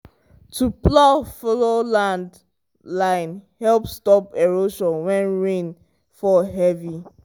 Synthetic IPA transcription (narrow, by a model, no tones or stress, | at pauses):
tʰuplɔfɔlolãnd | lãɪnhɛlpstɔpeɹoʃɔwɛ̃nɹẽn | fɔɦɛvi